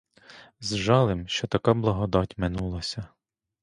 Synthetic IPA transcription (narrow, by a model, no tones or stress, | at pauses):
zʒɑlˠɪmʃt͡ʃɔt̪ɐkablˠɐɦɔd̪ɑtʲmɪnulˠɐsʲɐ